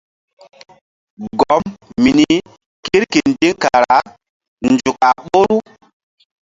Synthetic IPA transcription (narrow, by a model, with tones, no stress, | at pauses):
ɡɔ˨˦mmi˨ni˦ | ki˦ɾki˨n˦d͡ʒi˦ŋka˨ɾa˨˦ | nd͡ʒu˨ka˨ɓo˦ɾu˦